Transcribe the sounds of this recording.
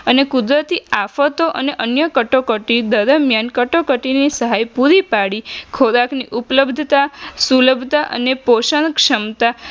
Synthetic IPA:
ənekʊd̪ɾət̪iafət̪oʔəneʔənjəkəʈokəʈid̪əɾəmjankəʈokəʈinisəɦajpuɾipaɽikʰoɾakniʔupləbd̪ʱt̪asuləbʱt̪aʔə̰nepoʃənkʃəmt̪a

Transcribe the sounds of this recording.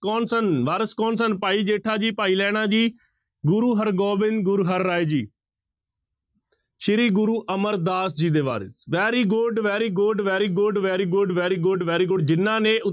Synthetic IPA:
kɔːnsənʋaːɾəskɔːnsənpaːiːd͡ʒeːʈʰaːd͡ʒiːpaːiːlɛːɽ̃aːd͡ʒiː | ɡʊɾuːɦəɾɡɔːbɪnɡʊɾuːɦəɾːaːeːd͡ʒiː | ʃɪɾiːɡʊɾuːʔəməɾd̪aːsd͡ʒiːd̪eːʋa̰ːɾḛːʋɛːɾiːɡʊɖʋɛːɾiːɡʊɖʋɛːɾiːɡʊɖʋɛːɾiːɡʊɖʋɛːɾiːɡʊɖʋɛːɾiːɡʊɖd͡ʒɪnːãːneːʊ

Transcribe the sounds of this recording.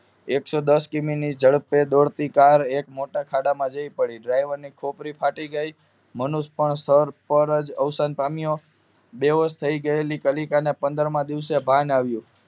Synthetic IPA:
eksod̪əskiminid͡ʒəɭped̪oɽt̪ikaɾekmoʈakʰaɽamãd͡ʒəipəɽiɖɾajʋəɾnikʰopɾipʰaʈiɡəi | mənuspəɳst̪ʰəɾpəɾəd͡ʒəʋsanpamijo | beɦost̪ʰəiɡəelikəlikanepənd̪əɾmãd̪iʋsebʱãnaʋjũ

